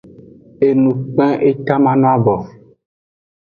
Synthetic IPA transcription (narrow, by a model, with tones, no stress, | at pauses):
e˨nũ˨k͡pɛ̃˦ʔe˦t̪a˦mã˦nɔ̃˦a˦bɔ˨